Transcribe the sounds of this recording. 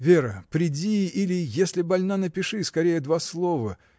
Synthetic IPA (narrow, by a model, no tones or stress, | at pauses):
vʲe̞ɾəpɾʲɪdʲiilʲɪjesʲlʲɪbɐlʲnanəpʲɪʂɨskɐɾʲejəd̪vaslˠo̞və